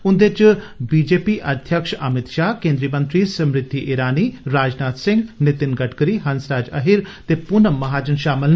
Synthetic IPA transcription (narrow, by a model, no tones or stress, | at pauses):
ʊnd̪et͡ʃbiːd͡ʒeːpiʔɐd̪ʱjəkʃɐmɪt̪ʃaːɦkẽːnd̪ɾiəmɐ̃nt̪ɾisɐmɾɪt̪ːiʔeːɾaːniːɾaːd͡ʒnaːt̪sɪ̃ŋɡnɪt̪ɪnɡɐʈkəɾiːɦɐnsɾaːd͡ʒɐ̰ɦiɾt̪epʊnəmɐɦaːd͡ʒənʃaːmɪl